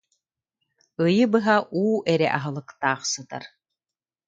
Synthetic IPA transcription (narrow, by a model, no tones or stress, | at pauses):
ɯjɯbɯɦaʔuːʔɛɾɛ̰ʔaɦɯlˠɯkt̪aːχsɯt̪a̰ɾ